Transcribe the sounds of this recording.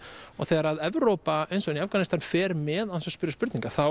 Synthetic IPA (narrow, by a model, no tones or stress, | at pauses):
ɔ̰ɣθɛːɣaɾaðɛvɾowpaejnsɔɪnjavkanɪst̪anfɛːɾmɛðasɔspʏɾʏspʏɾt̪nĩŋkaθaw